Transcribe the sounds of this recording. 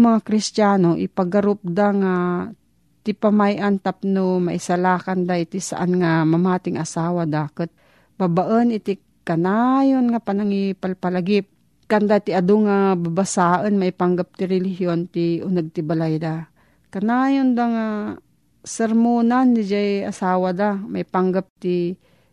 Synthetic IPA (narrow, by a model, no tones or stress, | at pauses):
maŋakɾɪst̪t͡ʃaːnoʔɪ̰paɡaɾʊp̚d̪aŋa | t̪ɪpamajʔant̪ap̚nomaʔɪsalaːkand̪aʔɪt̪ɪsa̰ʔanŋamamaːt̪ɪŋʔasaːwad̪aːkət̪̚ | babaʔənɪt̪ɪ | kanajonŋapanaŋipalpalaɡɪp̚ | kand̪at̪ɪad̪oŋababasaːʔənmaɪpaŋɡap̚t̪ɪɾɛlɪɦjont̪iʊnɐɡ̚t̪ɪbalajd̪a | kanaːjond̪aŋa | sɛɾmonanːɪd͡ʒaja̰saːwad̪amaɪpaŋɡap̚t̪i